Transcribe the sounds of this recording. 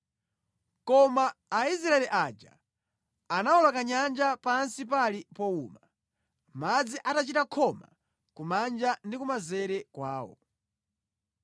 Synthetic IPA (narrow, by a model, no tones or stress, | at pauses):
kɔmaːis̬ɾaɛlɛʔad͡ʒa̰ | anawɔlakaɲand͡ʒapansipalipɔuːma | mad͡ziʔatat͡ʃitakʰɔma̰ | kumand͡ʒandikumazɛɾɛkwaːwɔ̰